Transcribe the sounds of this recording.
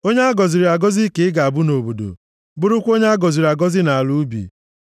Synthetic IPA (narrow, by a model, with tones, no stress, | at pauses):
o˦ɲe˦a˦ɡɔ˨zi˨ɾi˨a˨ɡɔ˦zi˦ke˨˦ɪ˦ɡa˨a˨bʊ˦no˨bo˨do̰˨ | bʊ˦ɾʊ˦kʷo˦ɲe˦a˦ɡɔ˨zi˨ɾi˨a˨ɡɔ˦zɪ˦na˨a˨lu˦bḭ˨